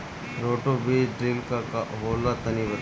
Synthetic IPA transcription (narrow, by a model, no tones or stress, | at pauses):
ɾoːʈobeːɖɾilkakaɦoːlat̪ɐniʋə